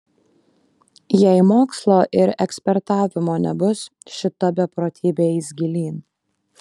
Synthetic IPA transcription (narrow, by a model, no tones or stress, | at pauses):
jɛɪmoːkslˠoːʔɪɾɛksʲpʲɛɾt̪ɑːʋʲɪmoːnʲɛ̰bʊsʃʲɪt̪ɐbʲɛpɾoːt̪ʲʰiːbʲeːɪzʲɡʲɪlʲiːn